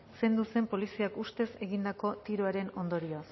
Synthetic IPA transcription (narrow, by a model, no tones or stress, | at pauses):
se̞nd̪use̞mpo̞lisiakust̪e̞se̞ɣind̪ako̞t̪iɾoaɾe̞no̞nd̪o̞ɾios